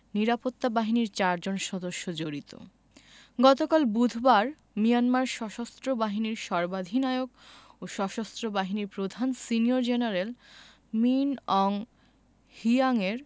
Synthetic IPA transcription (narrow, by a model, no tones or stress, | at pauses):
niɾapot̪ːabaɦiniɾt͡ɕaɾd͡ʑonʃɔd̪oʃːod͡ʑoɾit̪o̰ | ɡɔt̪okalbud̪ʱbaɾ | mijanmaɾʃɔʃast̪ɾobaɦiniɾʃɔɾbad̪ʱinaeoɡoʃɔʃast̪ɾobaɦiniɾpɾod̪ʱansinioɾd͡ʑenaɾel | minɔŋ | hiaŋeɾ